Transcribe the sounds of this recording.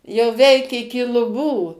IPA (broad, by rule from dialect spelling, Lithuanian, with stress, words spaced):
jɛʊ ˈʋʲɛɪk ɪkʲɪ lˠʊˈbuː